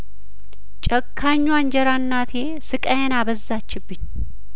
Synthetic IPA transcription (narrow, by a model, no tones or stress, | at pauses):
t͡ʃʼɐkʰːaɲːwand͡ʒɛɾanːat̪ʰe | sɨkʼɐjenaβəzːat͡ʃːɪbːɨɲː